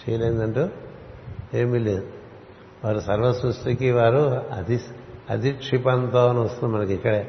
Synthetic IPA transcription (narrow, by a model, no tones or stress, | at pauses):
t͡ʃɛjɐlejnd̪ɐɳʈu | eːmːilːin | ʋaːɾusɐɾʋɐsust̪ikiʋaːɾuɐ̰d̪iɐd̪iʈʂipɐnt̪aːɐnuɐst̪und̪imɐnɐkikːɐɽeː